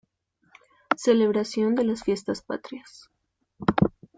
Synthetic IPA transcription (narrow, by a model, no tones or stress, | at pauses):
sele̞β̞ɾasjo̞nd̪e̞lasfje̞st̪aspa̰t̪ɾjas